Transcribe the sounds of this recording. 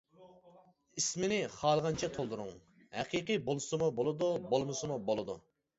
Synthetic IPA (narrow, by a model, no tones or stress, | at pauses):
ismɪnɪχɑːlˠʁɑnt͡ʃʰɛt̪ʰolˠd̪uɾʊŋ | hæ̰qʰiqibolˠsɨmubolˠɨd̪ubolˠmɨsɨmubolˠɨd̪ṵ